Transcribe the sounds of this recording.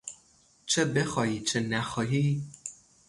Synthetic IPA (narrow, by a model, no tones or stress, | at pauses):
t͡ʃʰebe̞xɒːhiːt͡ʃʰenæxɒːɦiː